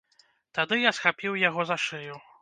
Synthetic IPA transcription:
t̪ad̪ɨjasxapʲiwjaɣɔzaʂɨju

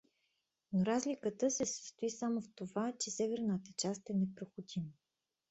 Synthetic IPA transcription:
noɾazlʲikət̪əsɛsə̥st̪oisamoft̪ovat͡ʃɛsɛvɛɾnət̪ət͡ʃast̪ɛnɛpɾoxod̪imə

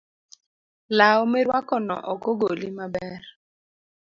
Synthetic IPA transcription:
laɔmeɾwakɔnɔ̰ʔɔkɔɡolimabɛr

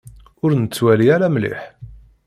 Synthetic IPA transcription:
ʊɾnət͡sːwæliaɾamlḭħ

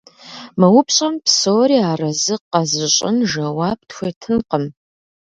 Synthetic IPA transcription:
mɐwʊpʰɕʼɐmpsoːɾiːaːrɐzɨqːɐzɨɕʼɪ̰nʒɐwaːp̚txʷetʰɨnqəm

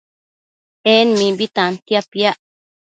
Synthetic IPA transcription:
enmĩbit̪ãnt̪japjaʔ

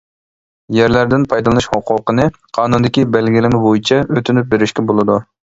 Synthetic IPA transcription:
jæɾlæɾd̪ɪnpʰɑjd̪lˠɨnɨʃhoqʰʊqənɨ | qʰɑːnund̪ɪkʲibælɡʲilɪmɪbojit͡ʃʰɛøt̪ʰynyp̚beɾɪʃkʲɛbolˠɨd̪u

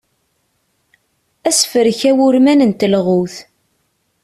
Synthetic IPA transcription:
æsfəɾçæwʊɾmænənt̪əlʁuθ

